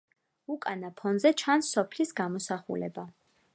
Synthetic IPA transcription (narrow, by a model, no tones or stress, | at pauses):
ukʼanapʰɔnzɛt͡ʃʰansːɔpʰlisɡamɔsaχṵlɛ̰ba